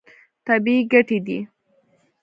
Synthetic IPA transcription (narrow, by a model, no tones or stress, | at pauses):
t̪abiiɡaʈid̪i